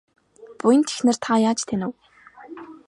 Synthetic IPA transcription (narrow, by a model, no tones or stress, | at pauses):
pujə̆nt̪ʰe̥xnɘ̆r̥t̪ʰajaːt͡ɕt̪ʰenɘ̆w